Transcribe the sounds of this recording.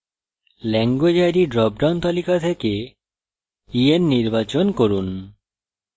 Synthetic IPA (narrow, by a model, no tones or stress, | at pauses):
lɛŋɡwed͡ʑajɾiɖɾɔp̚ɖawnt̪alikat̪ʰeke | ienːiɾbat͡ɕonkoɾun